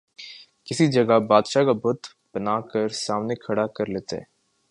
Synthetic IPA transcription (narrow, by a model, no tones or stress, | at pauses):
kɪsid͡ʒɐɡabaːd̪ʃakabʊd̪ʱ | b̥ɐnaːkəɾsaːmnekʰɐɽakɐɾleːt̪ḛɦɛ̰ː